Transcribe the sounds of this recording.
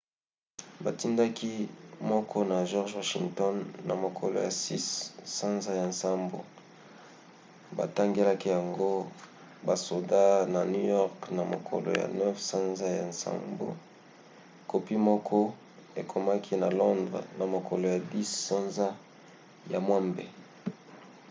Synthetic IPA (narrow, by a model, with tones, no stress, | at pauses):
ba˨ti˦nda˦ki˦mɔ˦kʰɔ˦na˨ʒɔ˦ʁʒwa˦ʃi˨ŋtɔ˦nːa˨mo˨kʰo̰˨lo̰˨ja˨si˦sːã˦nza˦ja˨nsa˦mbo̰˨ | ba̰˨ta˦ŋɡe˦la˦ki˦ja˨ŋɡo˦ | ba˨so˨da˦na˨nu˦jɔ˦ʁkna˨mo̰˨kʰo̰˨lo̰˨ja̰˨nɛ˦fsã˦nza˦ja˨nsa̰˦mbo̰˨ | ko˨pi˦mɔ˦kʰɔ˦ | e˨kʰo˨ma˦kʰi˦na˨lɔ˦ndʁ̰na˨mo˨ko˨lo˨ja˨di˦sːɔ˦nza˦ | ja˨mwa˦mbḛ˨